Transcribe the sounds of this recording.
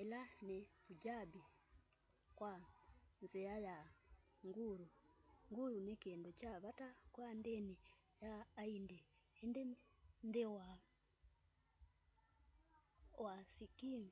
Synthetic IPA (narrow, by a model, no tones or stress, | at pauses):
ɛlanepud͡ʒabi | kwanziaja | ŋɡuɾuŋɡuɾunekeːndot͡ʃaβatakwandɛni | jaːindɛːndɛndɛwa | wasikim